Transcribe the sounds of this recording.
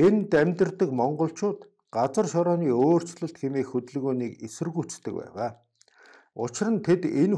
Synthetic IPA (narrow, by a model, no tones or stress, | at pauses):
ent̪æmʲt̪ɘ̆rt̪ə̆kmɔɴɢɞ̆ɬt͡ɕʊːt̪ | ɢ̥at͡sə̆rʃɔɾɔːniːoːr̥t͡sɮə̆ɬt̪xemeːxɵt̪̆ɮɣoːniːkesɘ̆rɣut͡st̪ːɘ̆k̚pæ̰ːʁaː | ʊ̰t͡ɕɪ̆ɾə̆nt̪ʰet̪en